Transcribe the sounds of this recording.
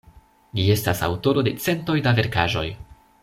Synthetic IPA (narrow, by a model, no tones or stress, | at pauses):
d͡ʒie̞stasa̰wto̞ɾo̞de̞t͡se̞nto̞jdave̞ɾkaʒo̞̰j